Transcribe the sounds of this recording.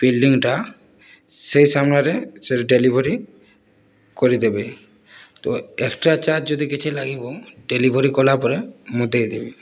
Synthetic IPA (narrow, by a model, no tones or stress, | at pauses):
b̥ilɖiŋʈa | sejsamnaɾeseɾɖelibʱoɾi | koɾid̪ebe | t̪oekʈat͡ʃad͡ʑd͡ʒod̪ikit͡ʃʰelaɡiboɖelibʱoɾikɔlapɔɾemud̪ʱejd̪ebe